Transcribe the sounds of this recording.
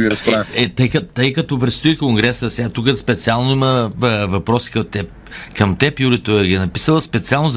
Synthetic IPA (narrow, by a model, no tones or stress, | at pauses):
iɾɐspɾaɛt̪əjkɐt̪əjkɐt̪ɔpɾɛt̪st̪oikoŋɡɾɛsəsɛat̪ukəspɛt̪sialˠnoiməvɐpɾɔsi̥kət̪ɛp | kɐmt̪ɛpjuɾit̪oəɡiɛnɐpi̥səlˠəspɛt̪sialˠnoʊz